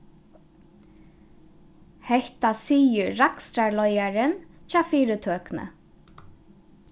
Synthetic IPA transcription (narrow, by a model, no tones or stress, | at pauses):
hɛht̪asiːjʏɾakst̪ɾaɹlɔjaɾɪnt͡ʃaːfiːɾət̪ʰøːknə̰